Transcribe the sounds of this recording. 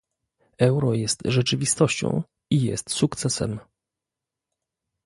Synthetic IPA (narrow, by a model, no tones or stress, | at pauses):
ɛwɾɔjɛst̪ʐɛt͡ʂɘvʲist̪ɔɕt͡ɕɔ̰̃w̃ | ijɛ̰st̪sukt̪sɛsɛ̰m